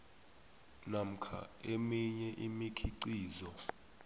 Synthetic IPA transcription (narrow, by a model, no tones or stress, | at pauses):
nam̩kʰa̰emiɲɛʔimikʰiǀiːzɔ